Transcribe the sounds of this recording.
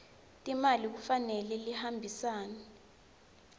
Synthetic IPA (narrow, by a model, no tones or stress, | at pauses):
tʼimalik̬ufanɛlɛlihambʱisaːnɛ